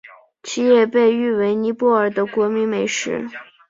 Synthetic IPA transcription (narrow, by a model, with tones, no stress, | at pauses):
t͡ɕʰi˥jɛ˥˧pe˥˧ɪy˥˩we˧˥ɪni˧˥pwɔ˥˩ə˞˨˩d̪ə˦kwɔ˧˥mi˧˥ŋme˨˩ɪʂɻ̩˧˥